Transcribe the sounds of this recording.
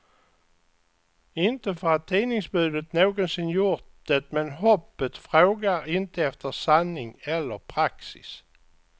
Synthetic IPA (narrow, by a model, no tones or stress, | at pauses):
ɪnt̪əfœɾat̪ʰːiːnɪŋsbʉ̟ːd̪ət̪noːɡɔnsɪnjʊɾʈ̪̚d̪̥et̪mɛnɦɔpːət̪fɾoːɡaɾɪnt̪əɛft̪əsanːɪŋɛlːəɾpʰɾaksɪ̰s